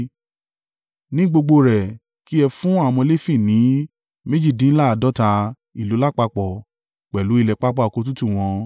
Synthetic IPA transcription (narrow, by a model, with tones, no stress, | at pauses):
nĩ˨˦ɡ͡bo˧ɡ͡bo˧ɾɛ˨ | ki˦ɛ˧fũ˦a˦˨w̃ɔ̃˧le˦fi˦˨nĩ˨˦ | me˦d͡ʒi˦˨dĩ˨˦la˦a˨dɔ˦ta˧ | i˨lu˨˦la˦k͡pa˧k͡pɔ˨ | k͡pɛ˨lu˨˦i˦˧lɛ˨k͡pa˦k͡pa˦˨o˨ko˧t̬u˦tu˦˨w̃ɔ̃˧